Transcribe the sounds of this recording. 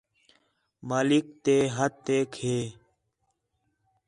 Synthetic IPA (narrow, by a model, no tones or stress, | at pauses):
maːlɪk̚t̪eːɦət̪ːeːkʰheː